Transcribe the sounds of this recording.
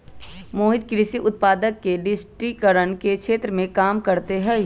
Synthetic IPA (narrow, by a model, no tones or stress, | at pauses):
moːɦɪd̪̚kɾɪsiʔʊt̪̚paːd̪əkːeɖɪsʈikəɾənkekʃeːt̪ɾəmẽkaːmkɐɾt̪eɦɛː